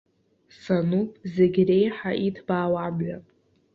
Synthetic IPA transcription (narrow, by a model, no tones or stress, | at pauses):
sanupʼzeɡʲre̞jħaʔitʰbaːwamɥʷa